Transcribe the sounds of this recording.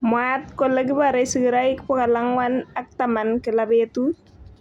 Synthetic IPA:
mwatkɔlɛk̬ɪbaɾɛsɪkɪɾaɪkpɔkalaŋwanak̚tamankɪlabetu

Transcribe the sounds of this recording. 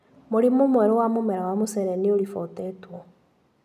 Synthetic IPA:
mulimumweɾowamumeɾawamuseɾeniulifotetwo

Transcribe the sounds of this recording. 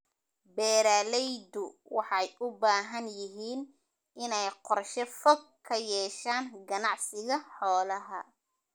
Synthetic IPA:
bɛːɾaːlɛjd̪ʊwɑħɑjʔʊbaːɦɐnjɪɦiːn | ʔɪnɛjqɔrʃɛfɔɡ | kʰːɐjɛːʃaːnɡɐnɑʕsɪɣɐħɔːlɐɦɐ̰

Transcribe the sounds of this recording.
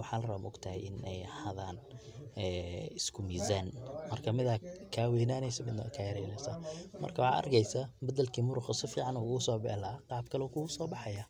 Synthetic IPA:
wɑħɑlrɐmʔɔ̰ɡt̪ʰɐhɛʔɪnɛjhɐðaːnɛːɪskʰʊmizanmɐrkʰɐmɪðaːkʰaːwɛjnaːnɛjsɐmɪd̪na̰ːkʰaːjɐɾɛjlɛjsamɐ̰rkʰɐwħɑ̰ʔɐ̰rkʰɛjsabɐdɐlkʰiːmʊɾʊqɐsɪfiːʕɑnuːkʰʊʊsɔːbɛ̰ːlaːqɑːb̚kʰɐlɛːkʰuːɣʊsɔːbɑħɑja

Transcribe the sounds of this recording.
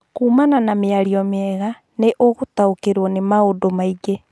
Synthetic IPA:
kuːmananameaɾiɔmɛɣa | neʔoɣotaokeɾwɔnemaodomaiɡe

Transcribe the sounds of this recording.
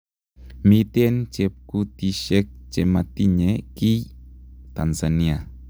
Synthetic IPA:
mit̪ent͡ʃep̚kut̪iʃɛk̚t͡ʃemat̪iɲeki | t̪ansania

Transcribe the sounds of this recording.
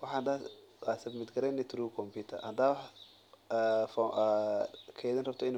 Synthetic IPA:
wɑħɑd̪aasɐmɪd̪ɡɐɾɛnːɛt̪ʰɾuːkʰɔmpit̪ʰɐ̰rhɐd̪aːwħ | fɔ | kʰɐɪðinrɐb̚t̪ʰɔɪn

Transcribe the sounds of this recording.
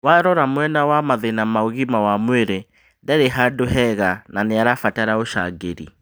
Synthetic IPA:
waɛɾɔɾamwɛnawamaðenamaoɣimawamweɾe | dɛɾeɦadohɛɣananeaɾafataɾaoʃa̰ɡeɾḭ

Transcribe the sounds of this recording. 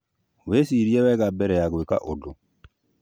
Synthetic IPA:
βesiɾiɛwɛɣabɛɾɛjaɣweka̰ʔodo

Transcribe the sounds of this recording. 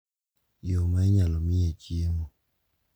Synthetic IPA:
jomaiɲalɔmiet͡ʃemɔ

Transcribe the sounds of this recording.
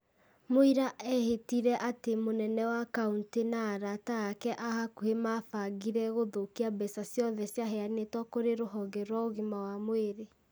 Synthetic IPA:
moiɾaʔɛhetiɾɛʔatemonɛnɛwakauntenaːɾataːkɛʔahakuemafaɣiɾɛɣoðokiabɛsasjɔðɛsjaɦɛanetwɔkoɾeɾoɦɔɡɛɾɔoɣimawamweɾe

